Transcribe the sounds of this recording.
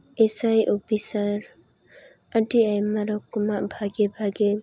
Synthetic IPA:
esajʔopisaɾ | aʈiajmaɾɔkumaʔbʱaɡebʱaɡe

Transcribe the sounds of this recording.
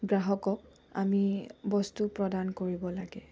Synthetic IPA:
ɡɹaɦɔkɔk̚ | a̰mibɔstupɹɔdankoɹibɔlaɡɛ

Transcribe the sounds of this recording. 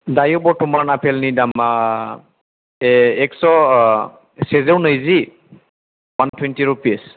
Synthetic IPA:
dajɔbɔtʊmaɹnapʰɛlnidama | ɛksɔ | sezeɹnəjzi | wantʰwɛntiɹupis

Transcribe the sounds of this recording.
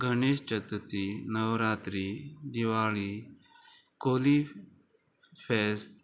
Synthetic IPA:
ɡʱɐñeːst͡ʃɐt̪ət̪inəʋɾaːt̪ɾid̪iʋaːɭi | koːli | pʰeːst̪

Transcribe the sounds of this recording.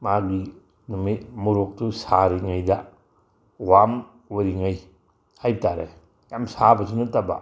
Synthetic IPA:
maki | numitmuɾok̚tusaɾiŋajdɐ | wam | woɾiŋaj | hajbtaɾḛ | jamsabɐsinɐtɐba̰

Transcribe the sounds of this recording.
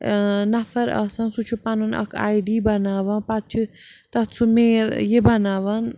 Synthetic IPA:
nɐfɐɾɐ̰sãnsut͡ʃʰupanunɐ̰kʰa̰ːjɖiːbɐnaːʋãnpat̪̚t͡ʃʰit̪ɐt͡sʰumeːljebɐnaːʋan

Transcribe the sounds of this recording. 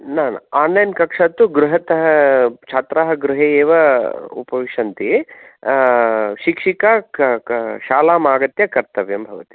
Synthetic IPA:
naːnaːnːɐjnkɐkʂaːt̪ːuɡɾuɦɐt̪ɐɦɐt͡ʃʰaːt̪ɾaːɦɐɡɾuɦeːeːʋɐṵpɐʋiʂɐnt̪i | ʃikʂikaː | ʃaːlaːmaːɡɐt̪jɐkɐɾt̪ɐʋjɐmbʱɐʋɐt̪i̥

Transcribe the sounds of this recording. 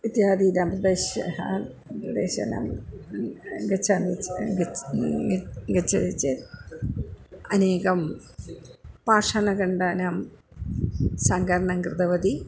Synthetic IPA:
ʋit̪jaːd̪inɐmprɐd̪eːɕɐ̰ɦɐ | pɾɐd̪ḛːɕɐ̰nɐ̰m | ɡɐt͡ɕʰːɐnɡ | ɡɐt͡ɕːɐ̰it͡ɕːɨ | ɐneːɣɐm | paːʂɐɳɐkɐɳɖaːnɐm | sɐŋɡɐɾɐɳɐŋkrɨt̪ɐʋɐd̪i

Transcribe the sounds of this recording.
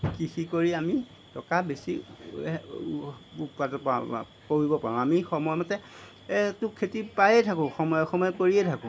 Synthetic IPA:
kixikoɹiami | tɔkabesi | upatɔpa̰ | koɦibɔpaɹɔ̃amixɔmɔjmɔtɛ | tʊkʰːetipajɛtʰakʊ̃xɔmɔjɔxɔmɔjɔkoɹiɛtʰakʊ̃

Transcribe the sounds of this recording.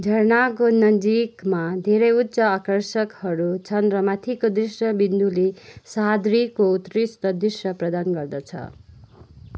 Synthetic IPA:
d͡zʱʌrnakonʌd͡zikmad̪ʱeɾʌjut̪ːsʌakʌrsʌkhʌɾut͡sʰʌnrʌmat̪ʰikod̪risjʌbind̪ulesad̪ɾikout̪rist̪ʌd̪risjʌprʌd̪anɡʌrd̪ʌt͡sʰʌ̰

